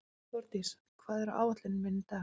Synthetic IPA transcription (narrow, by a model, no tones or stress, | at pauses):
ɔɾt̪is | kʰvaːðɛɾa̰ːwvat̪lɪnmɪnt̪a